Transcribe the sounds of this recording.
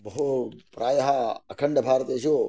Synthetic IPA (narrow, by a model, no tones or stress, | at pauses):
bɐɦupɾaːjɐɦaɐkʰəɳɖəbʱaːɾt̪et͡ʃʰo